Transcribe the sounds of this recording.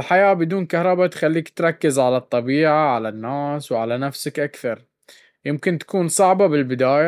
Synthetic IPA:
ɪlħajaːbɪd̪uːnkahɾˤɑbat̪xalːiːkt̪ɾˤɑkːɪzʕalɑt̪ˤːɑbiːʕaʕalanːaːswʕalanafsakʔakθɑɾˤ | jɪmkɪnt̪ḁkuːnsˤɑʕbabɪlbɪd̪aːja

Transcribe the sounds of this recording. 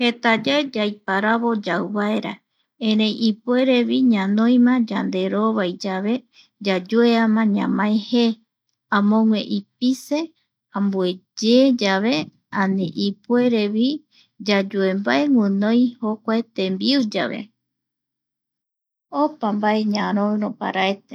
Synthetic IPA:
he̞t̪ad͡ʒaed͡ʒajpaɾaβod͡ʒawβaeɾa̰ | ẽɾẽjʔipue̞ɾe̞βiɲãnõj̃mãd͡ʒand̪e̞ɾoβajd͡ʒaβe̞ | d͡ʒad͡ʒueamãɲã̰mãehe | ãmõŋwḛ̃ʔipise̞ | ãmbued͡ʒed͡ʒaβe̞ | ãniʔipue̞ɾeβi | d͡ʒad͡ʒuembaeŋʷɨnõjhokʷaet̪ẽmbiud͡ʒa̰βe̞̰ | opambaeɲãɾõɨɾopa̰ɾaet̪e

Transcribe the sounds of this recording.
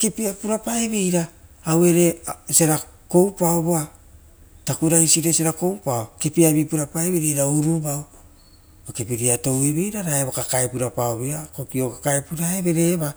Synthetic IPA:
kepiapuɾapaeβijɾaːwe̞ɾe̞seɾa | ko̞wpaoboa | takuɾaisiɾeseɾako̞wpaokepiaβipuɾapaeβiɾeɾauɾubaw | bakepiɾiato̞wiβijɾaɾaeβokakaepuɾapaoβiakokio̞kḁkaepuɾaebe̞ɾe̞βa

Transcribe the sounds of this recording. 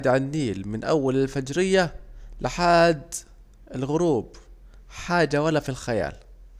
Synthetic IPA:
d̪ʕanːiːlmɪnʔawːalɪlfad͡ʒɾɪjːalɪħaːd̪ | ɪlɣʊɾuːb | ħaːd͡ʒawalːafilxaja̰ːl

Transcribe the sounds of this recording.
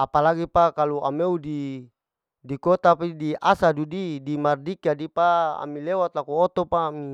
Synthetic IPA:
apalaɡipakalua̰meudi | dikot̪apidiʔasadudidimardikadipaa̰milewat̪lakuot̪opaːmi

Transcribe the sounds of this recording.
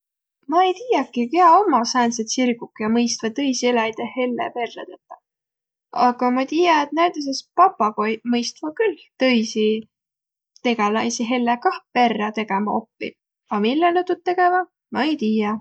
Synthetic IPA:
mɑejt̪iːjɑkːˑikeɑomːɑsɑːnset̪sirɡukːjɑmɤjst̪vɑt̪ɤjsieljt̪ehe̞lːepe̞rːḛt̪et̪ːˑɑ | ɑɡ̥ɑmɑt̪iːjɑet̪̚næjt̪es̬espɑpːɑko̞jmɤjst̪vɑkylt̪ɤ̞jsi | t̪e̞ɡɑlɑjsiɦe̞lːekɑhpe̞rːɑt̪e̞ɡ̥emɑo̞pːḭ | ɑmilːelet̪ud̪̚t̪ːe̞ɡ̥e̞vɑ | mɑejt̪iːjɑ

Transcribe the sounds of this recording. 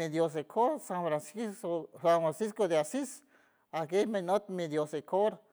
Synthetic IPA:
ed̪jos̬ekʰoɾsãnfɾansiofɾanfɾansiskod̪easis | akejmẽnot̪̚mĩd̪josekʰoɾ

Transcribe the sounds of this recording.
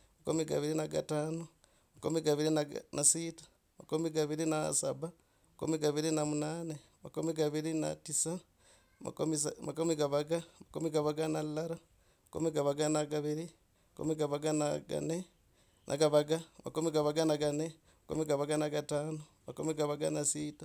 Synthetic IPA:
makomiɡa̰βiɾinaɡa̰taːno | makomiɡaβiɾinanʔasitḁ | makomiɡaβiɾinasaβa | makumiɡaβiɾinamunaːne | makomiɡaβiɾina̰tisa | ma̰mimakumiɡaβaɡamakumiɡaβaɡanalaɾa | makṵmiɡaβaɡanaɡaβiɾi | makṵmiɡaβaɡanaɡa̰ne | nʔa̰ɡaβaɡamakumiɡaβaɡanaɡane | makṵmiɡaβaɡanaɡataːno | makumiɡaβaɡanasiːta

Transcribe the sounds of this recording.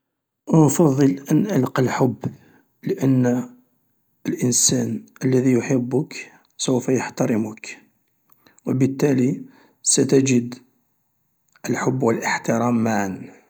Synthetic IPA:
nfɑðˤːəlʔənʔalqɑlħʊbː | ləʔənː | əlʔənsænʔəlːæðijʊħəbːʊk | səwfæjəħt̪ɑɾˤəmʊk | wəbət̪ːæli | sæt̪æd͡ʒəd̪ | əlħʊbːwəlʔəħt̪ɪɾˤɑmːaʕan

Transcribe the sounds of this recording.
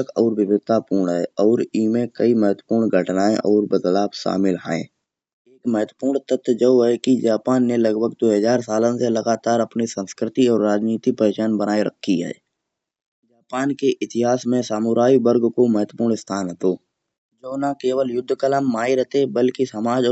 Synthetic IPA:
əkɔːɾʋɪbɪɡ̚t̪apuːɾɳɦɛɔːɾiːmẽkəiməɦət̪wəpuːɾɳɡʱəʈnaːẽʔɔːɾbɪɡ̪laːbʃa̰ːmɪlɦa̰ːḛ̃ː | eːkməɦət̪wəpuːɾɳt̪ət̪ʰːd͡ʒəːɦɛkid͡ʒaːpaːnːelɐɡbʱəɡd̪oːɦəzaːɾsaːlə̃selɐɡaːt̪aːɾɐpnisə̃nskɾɪt̪iɔːɾːaːd͡ʒniːt̪ipəeːt͡ʃaːnbənaːeɾə̰kʰːiɦɛ̰ː | d͡ʒaːpaːnkeʔɪt̪ɪɦaːsmẽsaːmʊɾaːibəɾɡkoməɦət̪wəpuːɾɳst̪ʰaːnɦət̪oː | d͡ʒoːnakeːwəljʊd̪ʱːkələmːaːiɾəɦt̪ebəlkisəmaːd͡ʒɔː

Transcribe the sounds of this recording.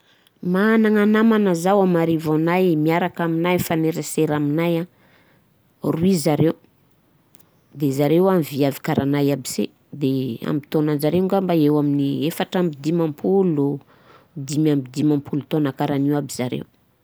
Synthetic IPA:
maːnaŋanamanəzawamaɾivanajmiaɾakaminajfaneɾaseɾaminaja | ruizaɾew | d̪ezaɾewamviavikaɾʔanajabisḛ | d̪ea̰mbit̪onand͡ʒaɾeuŋɡambaewaminiefaʈ͡ʂambid̪imampʰulu | d̪imambid̪imampulut̪onakaɾaniwabizaɾḛw

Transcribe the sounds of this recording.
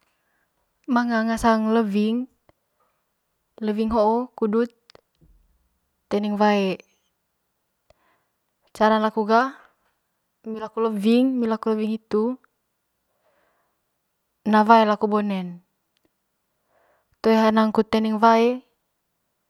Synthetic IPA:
maŋaŋasaŋləviŋ | ləviŋɦoʔɔkudut̪̚ | t̪ɛnɛŋvae | t͡ʃaɾanlakuɡa | milakuləviŋmilakuləviŋit̪u | navaelakubɔnɛn | t̪oɛɦanaŋkut̪ɛnɛŋvae

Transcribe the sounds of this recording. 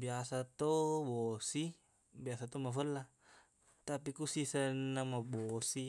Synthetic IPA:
biasat̪obɔsi | biasat̪omafəlːa | t̪apikusisənːamabɔsi

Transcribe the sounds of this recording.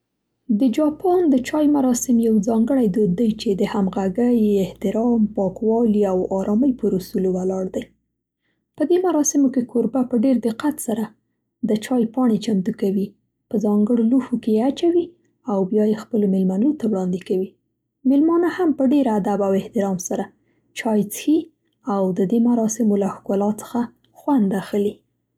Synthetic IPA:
d̪əd͡ʒɑpʰɑnd̪ət͡ʃɑjmaɾɑsɪmjawzɑŋɡəɽajd̪od̪ːajt͡ʃed̪əhamɣaɡəjɪht̪ɪɾɑmpɑkwɑliawɑɾʔɑməjpəɾusulowalɑɽd̪aj | pəd̪emaɾɑsɪmokekʰoɾbapəɖeɾd̪ɪqat̪saɾa | d̪ət͡ʃɑjpɑɳet͡ʃant̪ukawi | pəzɑŋɡəɽoluhokejeat͡ʃawi | awbjɑjexpəlomɪlmanot̪awɽɑnd̪ɪkawi | mɪlmɑnahampəɖeɾad̪abawɪht̪ɪɾɑmsaɾa | t͡ʃɑjt͡sxi | awd̪əd̪emaɾɑsɪmolahkolɑt͡sə̥xa | xwand̪axəli

